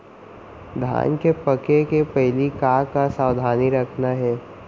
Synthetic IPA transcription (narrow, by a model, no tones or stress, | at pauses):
d̪ʱa̰ːnkepəkekepɛɦlikaːkasaːwd̪ʱaːniɾɐkʰnaɦɛː